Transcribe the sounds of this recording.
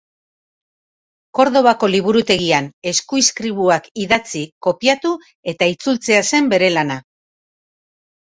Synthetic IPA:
ko̞ɾðo̞βako̞liβ̞uɾut̪e̞ɣiane̞skuiskɾiβuakiðat͡siko̞piat̪u | e̞t̪ait͡sult͡se̞ase̞mbe̞ɾe̞lana

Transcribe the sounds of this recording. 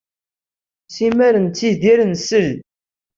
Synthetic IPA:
simæɾənt͡s̪ːiðiɾənsəl

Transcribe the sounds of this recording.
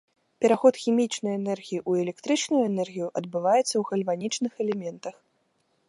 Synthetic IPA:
pʲɛɾaxɔt̪xʲimʲit͡ʂnɐjɛnɛrɣʲijiʔuɛlʲɛkt̪ɾɨt͡ʂnujuɛnɛrɣʲijuʔɐd̪̚bɨvajɛt̪sːɐwɣɐlʲvanʲit͡ʂnɨxɛlʲɛmʲɛnt̪ɐx

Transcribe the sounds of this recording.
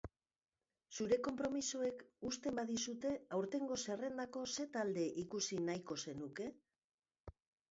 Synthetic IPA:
suɾe̞ko̞mpɾo̞misoe̞kust̪e̞mbaðisut̪e̞awɾt̪e̞ŋɡo̞se̞re̞nd̪ako̞se̞t̪ald̪e̞ʔikusinajko̞se̞nuke̞

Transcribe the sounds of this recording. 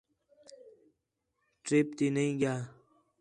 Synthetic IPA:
ʈɾipt̪inɐĩɡaː

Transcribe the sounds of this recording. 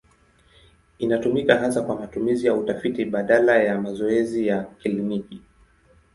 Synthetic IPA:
inatumikaɦasakwamatumizijautafitiɓaɗalajamazɔɛzijakiliniki

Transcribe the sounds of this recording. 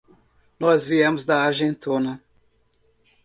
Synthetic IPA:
nɔzviemʊzd̪ɐaʒẽnt̪onɐ

